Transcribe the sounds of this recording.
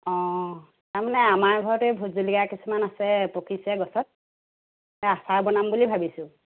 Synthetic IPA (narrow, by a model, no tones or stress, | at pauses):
ɔ̃ | taɹmanɛamaɹbʱɔɹɔtɛbʱuzulikakisumanasɛpɔkʰisɛɡɔsɔt̚ | ɛasaɹbɔnambulibʱabisʊ̃